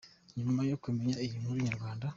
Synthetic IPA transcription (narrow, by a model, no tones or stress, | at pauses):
ɲumajo̞kume̞ɲaijim̥huɾiɲaɾɡwaːnda